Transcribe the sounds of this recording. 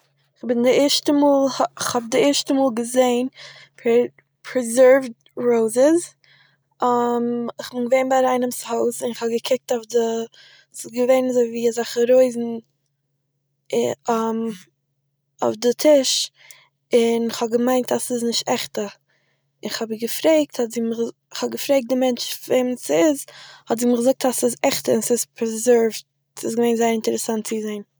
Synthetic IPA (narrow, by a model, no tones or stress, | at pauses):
ɪχbɪndɪɛɾʃtəmuːlˠhɪχhɔb̚dɪɛɾʃtəmuːlˠɡəzeɪnp | pʰɾɛzɜɹvd | ɾoʊzɪz | amɪχbɪnɡəveɪnbaɾaɪnəmshoʊsɪnɪχhɔbɡəkʰɪk̚tofdə | sɪsɡəveɪnazoɪviːazaχəɾoɪzn̩ | o̰ʊfdɪtʰɪʃ | ɪnɪχhɔb̚ɡəmaɪntasɪznɪʃtɛχtə | ɪnɪχhɔbɡəfɾeɪk̚thɔtzimə | ɪχhɔbɡəfɾeɪk̚dɪmɛnt͡ʃveɪmsɪzhɔtziːmɡəzʊk̚tasɪzɛχtəɪnsɪspʰəzɛɹvt | sɪsɡəveɪnzaɪəɾɪntəɾəsantt͡sɪzeɪn